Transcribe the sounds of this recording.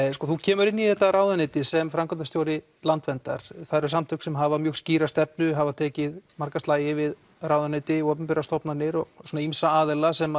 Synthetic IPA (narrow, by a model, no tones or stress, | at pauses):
skɔθucʰɛːmʏɾɪnːiθɛht̪ːaɾaːwðanɪt̪ɪsɛmfɾamkʰant̪ast̪jowɾɪ | lant̪vɛnt̪a̰ɾ̥θaɾʏɾ̥samt̪ʰʏksɛmɦavamjʏːɣsciːɾast̪ɛpnʏɦavat̪ʰɛːcɪðmaɾ̥kast̪laːjɪvɪð | rawðʏanɪt̪ɪɔwpʏmpiɾast̪ɔpnanɪɾɔɣsunaimsaaːðɪlasɛma